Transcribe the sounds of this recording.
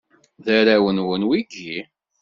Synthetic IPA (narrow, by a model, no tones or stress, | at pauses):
ðæɾæwənwənwiɡi